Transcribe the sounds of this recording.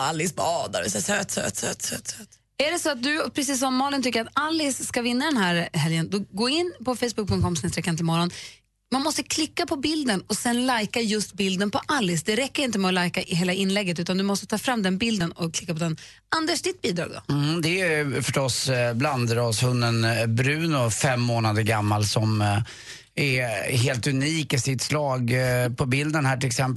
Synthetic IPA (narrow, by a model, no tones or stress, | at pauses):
alːɪsbɑːd̪a̰ɾɪsɛsɛt̪sø̰t̪sœ̰t̪sɛ̰t̪sɛt̪ | æɖɛsɔat̪̚d̪ɵpʰɾɛsiːs̬ːɔmːɑːlɪnt̪ʏkːəɾat̪alːɪsːkavɪnːad̪ɛnhæːɾɦɛljənd̪ɔɡoːɪnːpɔfɛjsbɵk̚pʰɵŋkʰɔmsneːst̪ɾɛkːanʰɪlmɔɾɔn | manmɔst̪əkʰlɪkːapʰɔbɪld̪ənɔsɛnlajkajɵst̪̚bɪld̪ənpɔʔalːɪsd̪ɛɾɛkːəɾɪnt̪̬əmɛɔlajkaʔɪɦeːlaɪnlɛɡːət̪ʉ̟ːt̪and̪ɵmɔst̪ət̪ʰɑːfɾamːd̪ɛnbɪld̪ənɔkʰlɪkːapʰɔd̪ɛn | and̪ɛʂd̪ɪt̪̚biːd̪ɾɑ̰ːɡd̪ɔ̰d̪ɛjfœʂʈɔsbland̪əɾɔshɵnːənbɾʉ̟ːnʊfɛmːoːnad̪əɾɡamːalsɔm | ɛɦeːlt̪ɵniːkɪsɪt̪slɑːɡpʰɔbɪld̪ənhæːʈɪlɛksɛmp